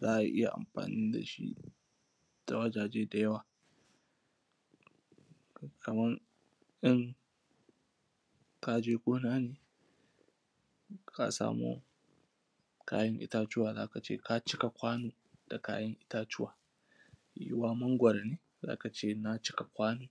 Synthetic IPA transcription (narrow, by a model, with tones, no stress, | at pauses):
zaː˦ʔa̰˨ʔɪ˦ja̰˨ʔa̰˨mɸa̰ː˨niː˦da̰˨ʃḭ˦ | d̥a˨wɐ˦d͡ʒaː˨d͡ʒeː˦da˨jɐ˦waː˨ | kʰɐ˨mɐ˦r | ʔɪ˦ŋ | ka˦d͡ʒeː˦kʷʼoː˦naː˦neː˨ | ka̰˦sa̰ː˦mṵː˦ | ka̰ː˦jɐ˦ŋʔɪ̰˦ta˦t͡ʃʊ˦waː˨za̰ː˦ka˨t͡ʃḛː˦ka˦t͡ʃɪ˦ka˨kʷaː˦noː˨ | d̥a˨ka̰ː˦jɐ˦ŋʔɪ˦taː˦t͡ʃɪ˦wa̰ː˨ | jɪ̰˦waː˦mɐ˦ŋɡʷɐ˨ɾa˨neː˦ | za̰ː˦ka˨t͡ʃeː˦na˦t͡ʃɪ̥˦ka˨kʷaː˦noː˨